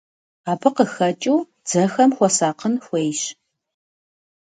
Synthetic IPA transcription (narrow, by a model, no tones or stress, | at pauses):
aːbɨqəxɐt͡ʃʼuː | d͡z̥ɐxɐmxʷɔsaːqənxʷejɕ